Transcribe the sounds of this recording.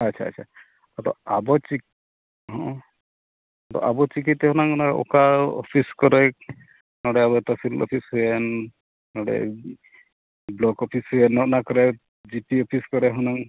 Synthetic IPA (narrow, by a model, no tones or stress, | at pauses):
at͡ʃʰa̰ːt͡ʃʰa̰ | at̪ɔ̰abɔt͡ʃi | ɦɔ̃ | t̪ɔ̰ʔabɔt͡ʃik̬it̪ɦɔnaŋnaɽeo̰kaɔ̰pʰiskɔɾe | nɔɽeabɔt̪ɔpʰillɔ̰pʰisɦuɛn | nɔɽḛ | blɔkɔpʰisɦuenɔnakɔɾe | d͡ʒipiɔpʰiskɔɾeɦɔnaŋ